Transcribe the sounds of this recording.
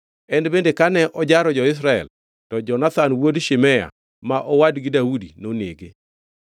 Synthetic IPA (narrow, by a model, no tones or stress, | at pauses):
ɛndbendekanɛʔɔd͡ʒaɾɔd͡ʒɔɪs̬ɾaɛ̰l | tɔd͡ʒɔnat̪anwodʃɪmɛja̰ | maʔɔwadɡɪdaudinoneɡe